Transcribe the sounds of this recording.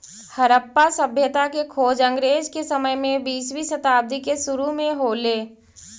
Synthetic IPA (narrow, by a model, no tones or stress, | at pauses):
həɾəpːasəbʱjət̪akekʰoːd͡ʒə̃ŋɡɾeːd͡ʒkesɐməjmẽbiːswisət̪aːb̚d̪ikesʊɾumẽɦoːleː